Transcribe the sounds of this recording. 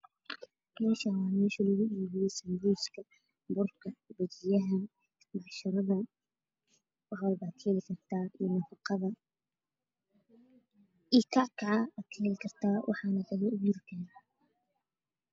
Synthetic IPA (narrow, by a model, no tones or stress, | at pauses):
mɛːʃawaːmɛːʃilɐɣʊʔiːβɪjɛsɐmbuːskʰɐ | bʊrkʰɐbɐt͡ʃɪjɐɦɐ | mɑʕʃɐɾɐðɐ | wʁɑlbaːt̪̚kʰɛːlɪkʰɐrt̪ʰaːʔinɐfɑqɑðɐ | ikʰɑʕkʰɑʕɑat̪kʰɛːlɪkʰɐrt̪ʰaːwʔɑ̰ħɑːnɐd̪ɐɣɛʊbuːɾk̪ʰɛː